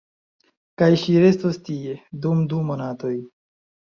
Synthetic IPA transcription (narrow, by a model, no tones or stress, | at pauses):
kajʃiɾest̪ost̪ied̪umd̪umonat̪oj